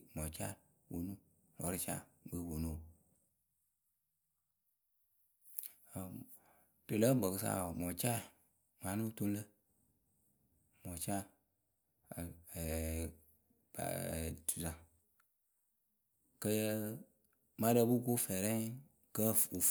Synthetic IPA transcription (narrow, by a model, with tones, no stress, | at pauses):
mɔ˨t͡ʃa˦ | wo˨nũ˦ | lɔ̰˨˦ɾɨ˦t͡ʃa̰˦˨ɡ͡bə˦˨wo˨nu˦˨ | a˨ | to˨lə˦ɡ͡bɔ˨kɨ˨sa̰˦˨mɔ˨t͡ʃa˦˨ | ŋa˨˦nu˦˨to˦n˦lə˦ | mɔ˨t͡ʃa˦˨ | ba̰˨tu˨za˨ | kə˧jə˦ | ma˦də˧˦bu˦ko˦fɛ˨ɾɛ˦ | kə˦u˨